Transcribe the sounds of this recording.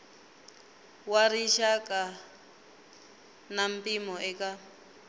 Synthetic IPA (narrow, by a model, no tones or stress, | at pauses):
waɾiʃakʼa | nam̩pimɔʔɛka